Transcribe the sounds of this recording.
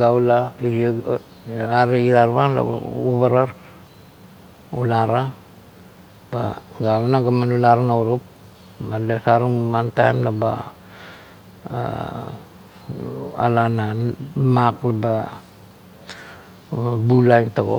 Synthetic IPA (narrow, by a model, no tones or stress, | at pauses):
ɡaulaiɾia | aɾeiɾaɾβanla̰uβaɾaɾ | ulaɾa | b̥a̰ɡamanaɡamanulaɾanauɾup̚ | badasaɾuŋwantajmlaba̰ | a̰lanamaklaba | bulajntaɡo̰